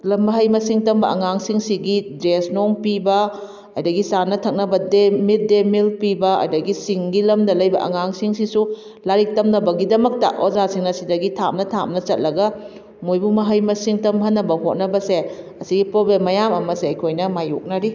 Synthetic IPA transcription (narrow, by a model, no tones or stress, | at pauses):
lɐmːɐɦɐjmɐsiŋtɐmbɐɐŋaŋsiŋsiɡidɾesnoŋpibɐ | ɐjdɐɡisanɐtʰɐk̚nɐbɐdemit̚demilpibɐɐ̰jdɐɡisiŋɡilɐmdɐlɐjbɐ̰ʔɐ̰ŋaŋsiŋsisu | laɾik̚tɐmnɐbɐɡidɐmɐk̚tɐ̰ʔozasiŋnɐsidɐɡitʰa̰m̚nɐtʰamnɐt͡ʃɐt̚lɐɡɐ | mojbumɐɦɐjmɐsiŋtɐmɦɐnːɐbɐɦot̚nɐbɐseɐsiɡipɾobemɐjamɐmɐseɐjkʰojnɐmajo̰k̚nɐɾi